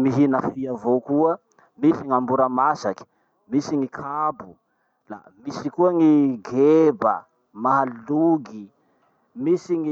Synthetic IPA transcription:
miɦinəfiavokuə | misiŋambuɾamasaki̥ | misiŋikʰabu | la̰ | misikuaŋiɡeba̰ | maɦaluɡi | misiŋi

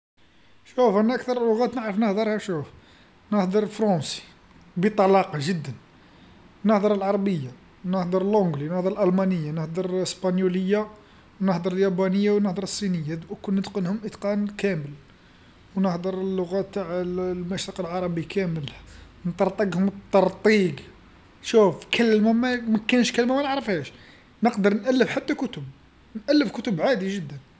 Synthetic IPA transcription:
ʃufʔænːæʔæk̚t̪ɑɾˤlːʊɣæt̪nəʕɾəfnəhd̪əɾˤhæʃuf | nəhd̪ˤəɾˤfɾˤɑsi̥ | bit̪ˤɑlɑqɑʒəd̪ːən | nəhd̪ˤəɾˤəlʕɑɾˤɑbəjːa | nəhd̪əɾˤəlʔʊɡlinəhd̪əɾəlʔælmɑnəjːanəhd̪ˤəɾˤəspɑnjuləjːa | wnəħd̪əɾˤəljæbænəjːawnəhd̪əɾˤəsˤːinəjːad̪kʊnːət̪qənhʊmʔət̪qɑnkæməl | wnəħd̪əɾˤəlːʊɣæt̪ːaʕlmæʃɾiqəlʕɑɾˤɑbikʰæməl | nt̪ˤɑɾˤt̪ˤɑɡhʊmt̪ˤːɑɾˤt̪ˤiɡ | ʃufkəlːmæmæmækːænʃkəlmæmænəʕɾəfhæʃ | nəqd̪əɾˤnʔælːəfħat̪ːækʊt̪ʊb̚ | nʔælːəfkʊt̪ʊbʕad̪iʒəd̪ːən

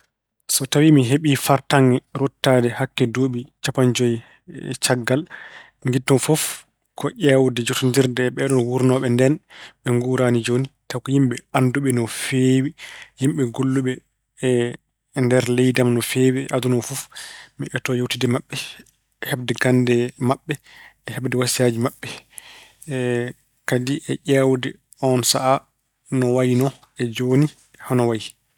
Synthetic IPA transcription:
sɔtawimiɦeɓifaɾtaŋɡɛɾɔtːadɛhakːɛdoːɓit͡ʃapand͡ʒɔj | t͡ʃaɡːal | ŋɡitːɔnfɔf | kɔʔɛwdɛd͡ʒotundiɾdɛɓɛɗɔnwuɾnɔɓɛndɛnɓɛŋɡuɾaːnid͡ʒonitakɔjimɓɛanduɓɛnɔfewihimɓɛɡolːuɓɛ | ndɛɾlɛjdamnɔfeːwiʔadunɔfufmiɛtɔjowtidɛmaɓːɛ | ɛhɛb̚dɛɡandɛmaɓːɛ | ɛhɛbdɛwasiaːd͡ʒimaɓːɛ | kadiʔɛʔɛwdɛ | ɔnsaʔa | nɔwajnɔ | ɛd͡ʒoni | hɔnɔwaji

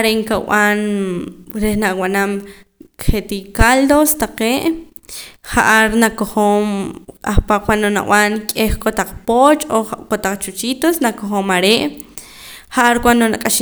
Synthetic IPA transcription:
aɾeʔŋkaw̰an | ɾehnaʔwanam | kχet̪ikald̪ost̪aqeːʔ | χaʔaɾnakoχoːma̰χpaqwʷanona̰ʔw̰ʔaŋkʼeχkot̪aq͡χpot͡ʃokot̪aq͡χt͡ʃut͡ʃit̪osnakoχoːmaɾeʔ | χaʔaɾkʷand̪onakʼaʃ

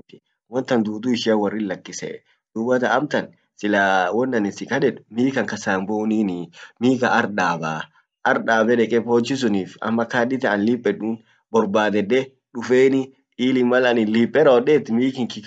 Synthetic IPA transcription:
tɪ̥ | wɔnt̪ɐnd̪uːt̪uɪʃɪɐwɐrːɪnlːɐkːɪsɛ̰ | d̪̥ʊbːɐt̪ɐɐmt̪ɐn | sɪlaːwɔnːɐnɪsɪkʼɐᶑɛᶑʊ̥miːkɐŋkɐsaːmboʊniːnɪmiːkɐʔɐɾᶑaːbaː | ʔɐɾᶑaːbɛᶑɛkʼɛpoːt͡ʃːɪs̬ʊniːfɐ̰mːɐkaːd̪ɪt̪ɐʔɐnlɪpʼːɛᶑuːn | bɔɾbaːd̪ɛd̪ɛ | ᶑʊfeːnɪ | iːlɪmːɐlɐnɪnliːpʼːɛɾɐɔᶑeːt̪ːɪmiːkɪŋkɪk

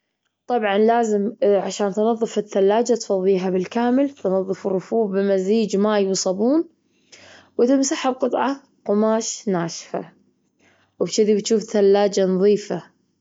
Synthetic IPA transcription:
t̪ˤɑbʕɑnlaːzɪmʕaʃaːnt̪nɑðˤːɨfɪθːalːaːd͡ʒat̪fɑðˤːiːɦabɪlkaːmɪlt̪nɑðˤːɨfɪrˤːʊfuːbbɪmaziːd͡ʒmaːjwsˤɑbuːn | wɪt̪ɪmsaħɪb̚qɨt̪ˤʕɑ | qʊmaːʃnaːʃfa̰ | wbʃɪd̪ibt̪ʃuːfθalːaːd͡ʒanɑðˤiːfa

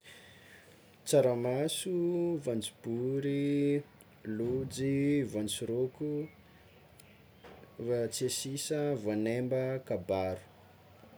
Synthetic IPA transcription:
t͡saɾamasuvant͡su̥b̥uɾi | lud͡zivant͡siɾoku | vat͡sesisəvanembəkabaɾu̥

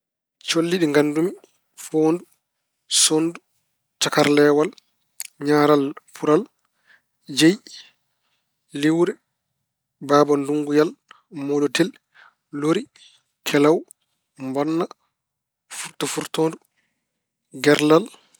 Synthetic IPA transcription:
t͡ʃolːiɗiŋɡandumi | foːndu | sondu | t͡ʃakaɾlɛːwal | ɲaːɾalpʰuɾal | d͡ʒej | liwɾɛ | baːbɔnduŋɡujal | moɗɔtɛl | loɾi | kʰɛlaw | mbɔnːa | fuɾtɔfuɾtoːndu | ɡɛɾlal

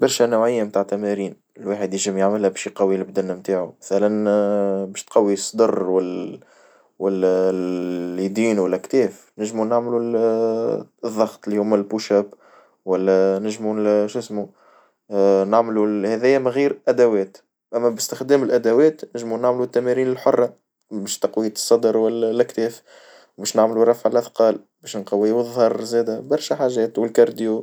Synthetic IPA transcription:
bɑɾˤʃænawʕɪjːamt̪aːʕt̪ːæmæɾiːn | ɪlwaːħəd̪jɪʒəmjaʕmɪlhæbɛːʃjqɑwːilɪbd̪ɪnːæmt̪aːʕumæθælænbɛːʃt̪̚qɑwːisˤːd̪ɑrˤːwæl | wælːæ | jd̪iːnwælːækt̪ɛːf | nɪʒmunaʕmlu | ðˤːɑɣt̪ˤlihʊːmːælbuʃæb | wælːænɪʒmuʃɪsmu | naʕmluhɛðɛjːæmɪɣiːɾʔæd̪æwɛːt̪ | ʔæmːæbɪst̪ɪxd̪ɛːmɪlʔæd̪æwɛːt̪nɪʒmunaʕmlut̪ːæmæɾiːnɪlħʊrˤːɑ | bɛːʃt̪ɑqwiːt̪sˤːɑd̪əɾwælːælːækt̪ɛːf | wbɛːʃnaʕmluɾˤːɑfʕəlʔɑθqɑːl | bɛːʃnqɑwːiwəðˤhɑɾˤzɛːd̪æbɑɾˤʃæħaːʒɛːt̪wɪlkɑɾˤd̪iju

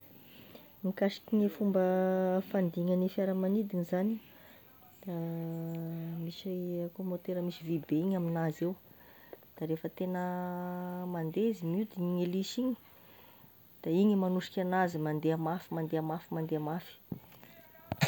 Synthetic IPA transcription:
mikasi̥kiɲifumbəfand̪iŋanifaɾəmanid̪iɲizani | misaakomot̪eɾəmisivibeiɲaminazew | d̪̥aɾefət̪enə | mand̪ezimiud̪iɲiŋeliʃiɲi̥ | d̪̥aiɲimanuʂi̥kʲanazimand̪eamafimand̪eamafimand̪eamafi̥

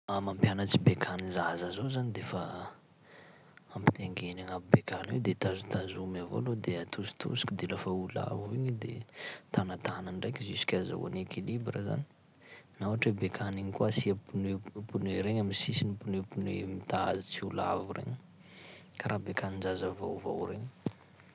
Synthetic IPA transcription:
amampjanət͡sibekʰanizazazozanid̪efə | ampi̥t̪eŋɡenaŋapibekanwed̪et̪azut̪azumavo̰lod̪eat̪ʰusi̥t̪ṵsi̥kʲid̪elafaula̰vuiɲid̪ḛt̪anət̪anaɳɖ͡ʐajkʲzisi̥kʲaza̰wa̰nekʰilibɾəza̰ni̥ | nawaʈ͡ʂwebekʰaniɲikuasiapunepunweɾeɲaminsisinipunwepunwemit̪aazut͡siula̰vurʔḛɲə | kaɾʔabekanind͡ʒazəvo̰wvo̰wɾeɲ

